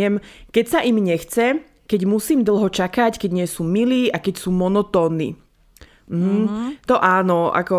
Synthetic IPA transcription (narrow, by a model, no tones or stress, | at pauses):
ɛmkɛcsaʔimɲɛxt͡sɛ | kɛɟmusiːmd̪l̩ˠɦɔt͡ʃakackɛɟɲɪɛsuːmiliːʔakɛcsuːmɔnɔt̪ɔːnːḭ | m̩ɦ̩t̪ɔʔaːnɔa̰kɔ